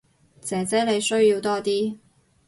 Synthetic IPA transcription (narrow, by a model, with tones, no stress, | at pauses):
t͡sɛː˨˥t͡sɛː˨˥le˨˧jsɵ˥ɥjiː˧wt̪ɔː˥t̪iː˥